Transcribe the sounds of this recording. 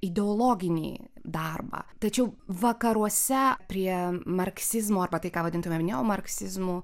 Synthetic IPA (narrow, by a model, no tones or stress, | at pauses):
ɪd̪ʲɛolˠoːɡʲɪnʲḭːd̪ɑrbɑ̰ːt̪ɐt͡ʃʲɛʊʋɐkɐɾuɔsʲɛpʲɾʲiɛmɐrksʲɪzmoːɐrbɐt̪ɐɪkaːʋɐdʲɪnt̪ʊmʲemnʲɛoːmɐɾksʲɪzmu